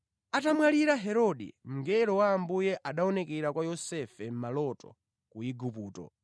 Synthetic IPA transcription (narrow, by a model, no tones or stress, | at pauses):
atamwaliɾaɦɛɾɔɗḭm̩ŋɡɛɾɔwaːmbujɛʔaɗaɔnɛkɛɾakwajɔsɛfɛm̩malɔtɔ̰ | kuiɡupuːtɔ̰